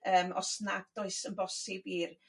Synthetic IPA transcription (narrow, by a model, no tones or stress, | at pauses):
əːmɔ̰snaɡd̥oɨsənbɔsɪbir